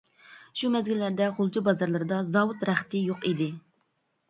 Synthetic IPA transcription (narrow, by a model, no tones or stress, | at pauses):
ʃumɛzɡʲɪlːæɾd̪ɛχʊlˠt͡ʃʰibɑzɑɾlˠɨɾɨd̪ɑzɑwut̪ɾæχt̪ɪjoqid̪ɪ